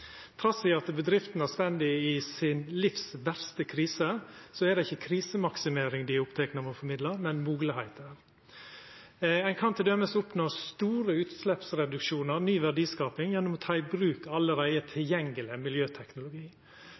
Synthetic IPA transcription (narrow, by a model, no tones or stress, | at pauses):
t̪ʰɾɑsɪɑt̪bəd̪ɾɪft̪n̩æst̪ɛnd̪ɪɪsɪnlɪfsʋæɾst̪əkʰɾiːsəsɔæd̪ɛɪçːəkʰɾiːsəmɑksɪmeːɾɪŋd̪ɪʊpt̪ʰɛknəmɔfɔɾmɪd̪ləɾmɛnmuːɡləhæɪt̪ʰəɾ | æɪkʰɑnt̪ʰɪld̪œməsʊpnoːst̪uːɾəʉːt̪slɛpsɾɛd̪ʉkʃuːnəɾnyːʋæɖiːskɑːpɪŋjɛnːʊmɔt̪ʰɑːɪbɾʉːkɑləɾæɪət̪ʰɪljɛŋəlɪəmɪljøːt̪ʰɛknʊlʊɡiː